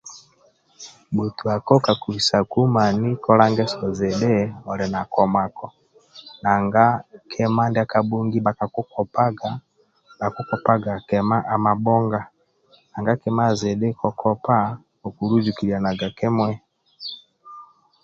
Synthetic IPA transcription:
bu˨tu˨a˨kɔ˦ka˨ku˨i˨sa˨ku˦ma˨ni˦kɔ˦la˦ŋɡɛ˦sɔ˨zɛ˨ɗɛ˦ɔ˨ɾɛ˨na˨kɔ˨ma˨kɔ˨ | na˨ŋɡa˦kʰɛ˦ma˦ndɛ˦a˦ka˨ɓu˦ŋɡi˦ɓa˨ka˨ku˦kɔ˨pa˦ɡa˨ | ɓa˨ku˦kɔ˦pa˦ɡa˨kɛ˨ma˦ʔa˨ma˨ɓɔ˦ŋɡa˨ | na˨ŋɡa˦kɛ˦ma˦zɛ˨ɗɛ˦kɔ˨kʰɔ˦pa˦ | ɔ˨ku˨ɾu˦d͡ʒu˨ki˨ɾi˨a˨na˨ɡa˨kɛ˦mwɛ˦

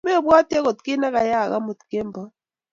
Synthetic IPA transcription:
me˦˨bwa˦tɛ˦ko˨t̪̚ki˦na˦ka˨ja˦˨ɣa̰˦mu˨t̪ke˦mba˦

